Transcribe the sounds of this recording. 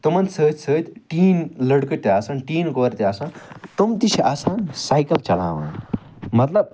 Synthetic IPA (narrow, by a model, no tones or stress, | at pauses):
t̪omɐnsʰəːt̪ʲsʰəːt̪ʲʈiːnlɐɽkət̪ːiaːsanʈiːnkoːɾt̪iaːsant̪omt̪it͡ʃʰiʔaːsaːnsajkɐlt͡ʃɐla̰ːʋa̰ːn | mɐt̪lɐb̚